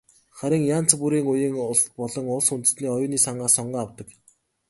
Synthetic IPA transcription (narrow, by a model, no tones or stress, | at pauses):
χaɾʲɪ̆ŋjaːn̥t͡sʰpuɾiːŋʊjĭːŋʊɮpɔɮɞ̆ŋʊɮsunt̪ɘ̆sniːɔjʊːniːsaɴɢaːsɔɴɢaːawt̪ə̆k